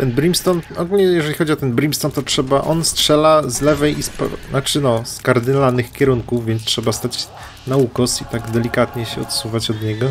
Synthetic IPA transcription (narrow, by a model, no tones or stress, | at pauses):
t̪ɛnbɾimst̪ɔnt̪ɔɡulɲɛjɛʐɛlʲixɔd͡ʑiɔt̪ɛnbɾimst̪ɔnt̪ɔtʂɛbaʔɔnstʂɛlazlɛvɛjispnat͡ʂɘnɔskaɾd̪ɘnlanɘxkʲɛɾuŋkuvvʲjɛnt̪stʂɛbast̪at͡ɕ | naukɔsit̪aɡd̪ɛlʲikat̪ɲɛɕɛɔ̰t̪suvat͡ɕɔd̪ɲɛɡɔ